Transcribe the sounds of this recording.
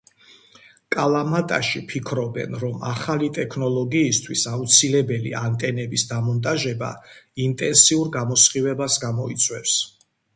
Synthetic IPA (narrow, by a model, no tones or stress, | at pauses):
kʼalˠamat̪ʼa̰ʃipʰikʰɾɔbɛ̰nɾɔmaχalit̪ʼɛkʰnɔlˠɔɡiːst̪ʰwisaut̪sʰilɛbɛlḭant̪ʼɛnɛbisd̪amɔnt̪ʼaʒɛba̰int̪ʼɛnsiuɾɡamɔsχivɛbasɡamɔit̪sʼwɛfs